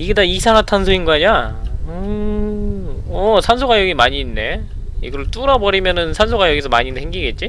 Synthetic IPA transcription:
iɡedaisʰaŋatʰansʰɯinɡaɲa | ɯ | ʌsʰansʰoɡajʌɡimaɲiːnːe̞ | iɡʌɾɭt͈uɾʌbʌɾimjʌnɯnsʰansʰoɡajʌɡisʰʌmaɲinhʰeŋɡiɡe̞t̚t͡ɕ͈i

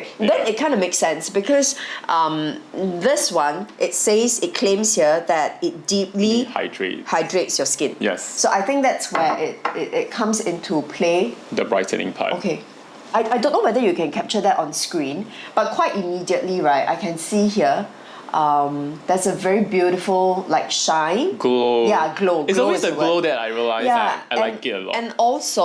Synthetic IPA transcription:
d̪ɛ̃nɪt̚kʰãɪ̃ndəmeksɛ̃nsbikʰɔsʔʌ̃md̪ɪswãnʔɪt̚sezɪt̚kʰlẽmshiəðɛt̚ɪt̚dipliha̰ɪdɹḛthaɪdɹetsjɔskɪ̃njɛ̰ssoʔaɪθɪ̃ŋk̚d̪ɛtswɛʔɪt̚ɪtɪt̚kʰãmsɪ̃ntʰupʰled̪əbɹa̰ɪtʰə̰̃nɪ̰̃ŋpʰa̰okʰe | aɪʔaɪdõnːowɛðəjukɛ̃nkʰɛp̚t͡ʃəd̪ɛtɔ̃nskɹĩnb̥at̚kʰwaɪtimidiətliɹaɪta̰ɪkʰɛ̃nsihiə | ʔʌ̃md̥̪ɛsəvɛɹibjuɾɪfəllaɪkʃãɪ̃nɡlojaɡloɡlɔowesəwlodɛtaɪɹiəlaɪzjaaɛ̃aɪɡ̥ɛtə̰lɔ̰ɛ̃nɔlso

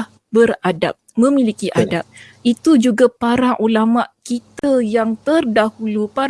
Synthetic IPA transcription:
bəɾada̰p̚mə̃milikiʔadap̚ | it̪ud͡ʒuɡapaɾaŋʔulamaʔkit̪ajaŋt̪ərdahulupa

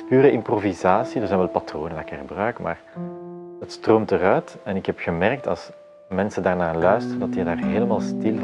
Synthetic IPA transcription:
pyːɾəʔɪmprovizaːsidərzɛnʋɛlˠpɑtroːnəndaɪkɪɣəbrœɥkmʔa̰ːr | ɦətstroːmtərœɥtɛnɪkɦɛpɣəmɛrk̚tɑ̰lˠs | mɛnsəndaːrnaːlœɥstərəndɑtiːdaːrɦeːləmaːlˠstɪl

